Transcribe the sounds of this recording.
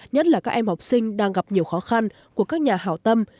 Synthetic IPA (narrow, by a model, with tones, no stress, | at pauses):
ɲə˦˥t̚laː˨˩kaː˦˥k̚ʔɛ˧mhɔ˨˩wk͡p̚sï˧ŋ̟ɗaː˧ŋɣa˨˩p̚ɲi˨˩əwxɔ˨˦xa˧n | ku˧˩əkaː˦˥k̚ɲaː˨˩ɦa̰ː˧˩wt̪ə˧m